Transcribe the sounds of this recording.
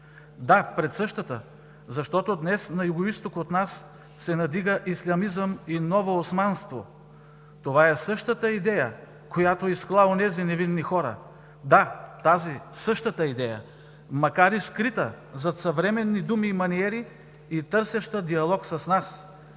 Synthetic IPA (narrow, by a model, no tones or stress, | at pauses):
d̪apɾɛt̪sɤʃt̪ət̪ə̰ | zɐʃt̪ɔt̪od̪nɛsnɐjuɡoist̪okot̪nasː | ɛnɐd̪iɡəʔislʲɐmizəminɔvoːsmanst̪vo̰ | t̪ovaɛsɤʃt̪ət̪əid̪ɛjə | kojat̪oisklˠaonɛzinɛvinːixɔɾə̰ | d̪at̪azisɤʃt̪ət̪əid̪ɛjə̰ | mɐkaɾiskɾit̪ə | zɐt̪sɐvɾɛmɛnːid̪umiːmɐniɛɾi | it̪ɤɾsɛʃt̪əd̪iɐlˠɔksɐsnas